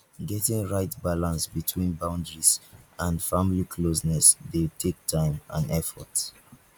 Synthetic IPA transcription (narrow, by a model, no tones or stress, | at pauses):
ɡɛtɪ̃ŋɹaɪtbalãnsbitʰwĩnbãʊ̃ndɹiz̥ãnfamlikʰlosnɛsðetʰek̚tʰãɪ̃mã̰nɛfɔ̰t